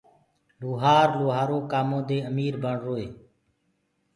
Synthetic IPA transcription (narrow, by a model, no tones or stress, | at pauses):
luːɦaːɾloːɦaːɾoːkaːmõːd̪eːəmiːɾbəɳɾoːeː